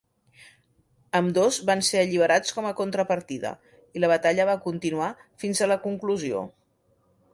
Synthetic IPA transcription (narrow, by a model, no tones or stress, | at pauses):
əmd̪ozβanseəʎiβ̞əɾat͡skɔməkunt̪ɾəpəɾt̪iðə̰ | iləβ̞ət̪aʎəβ̞akunt̪inuafinzələkuŋkluzio̰